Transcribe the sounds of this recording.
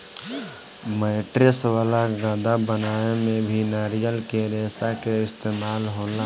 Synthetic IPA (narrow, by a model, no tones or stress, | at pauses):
mɛɪʈɾɪswaːlaɡãːd̪abənaːemẽbʱinaːɾijəlkeɾeːsakeɪst̪eːmaːlɦoːla